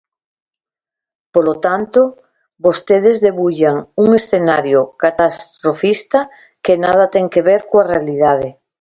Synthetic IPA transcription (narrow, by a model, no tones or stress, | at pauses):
polot̪ant̪o | bost̪eð̞ezðeβuʎaŋuŋesθenaɾjokat̪ast̪ɾofist̪a | kenað̞at̪eŋkeβeɾkoarealið̞að̞e